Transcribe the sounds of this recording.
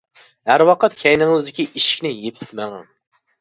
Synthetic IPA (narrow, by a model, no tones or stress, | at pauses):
hæɾwɑqʰɑt̪kʲʰɛjnɪŋzd̪ɪkʲiʔiʃi̥kʲnɪjepʰɪ̥t̪mæŋɑn